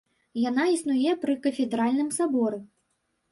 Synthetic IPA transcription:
jan̪aisnujɛpɾɨkɐfʲɛd̪ɾalʲnɨmsabɔɾɨ

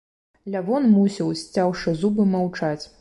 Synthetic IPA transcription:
lʲavɔnmusʲiwsʲt͡sʲawʂɨzubɨmawt͡ʂat͡sʲ

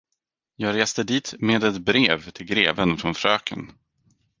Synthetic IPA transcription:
jɑːɡɾeːst̪əd̪iːt̪meːd̪ɛt̪bɾeːvt̪ʰɪlɡɾeːvənfɾɔnfɾøːkʰə̰n

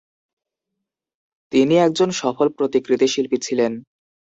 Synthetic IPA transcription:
t̪iniɛk̚d͡ʑonʃɔfolpɾot̪ikɾit̪iʃilpitt͡ɕʰilen

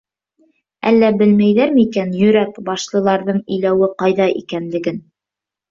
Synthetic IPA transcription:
æ̰lːæbɘlmæjðæɾmɘikænjɵ̆ɾækbɑʃlˠɤ̆lˠɑɾðɤɴɵ̆jlæwɘqɑjðɑʔḭkænlɘ̆ɡɘn

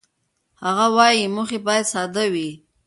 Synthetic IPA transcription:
haɣawɑjimuxebɑjad̪sɑd̪awi

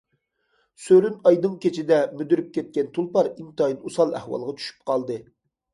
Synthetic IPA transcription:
søɾynɑjd̪ɨŋkʲet͡ʃʰid̪ɛmyd̪yɾyp̚kʲɛt̪̚kʲɛnt̪ʰulˠpɑɾiŋt̪ʰɑjinusɑlˠæ̰hwɑ̰lˠʁɑt͡ʃʰy̥ʃy̥p̚qʰɑlˠd̪ɨ

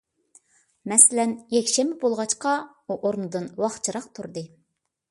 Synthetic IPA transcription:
mɛsɪlɛnjɛkʲʃɛmɪbolˠʁɑt͡ʃqɑ | uʔoɾnɨd̪ɨnwɑχt͡ʃʰɨɾɑq̚t̪ʰuɾd̪ɨ

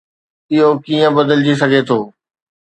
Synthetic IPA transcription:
ɪɦokiːə̃bɐd̪əld͡ʑis̬ɐɡʱet̪ʰoː

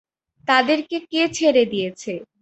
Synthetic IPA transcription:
t̪ad̪eɾkeket͡ɕʰeɾed̪ijet͡ɕʰe

